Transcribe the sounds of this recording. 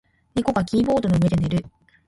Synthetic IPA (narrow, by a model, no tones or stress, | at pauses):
ɲʲiko̞ɡakʲiːbo̞ːd̪o̞noɯ̟ed̪e̞ne̞ɾɯ̟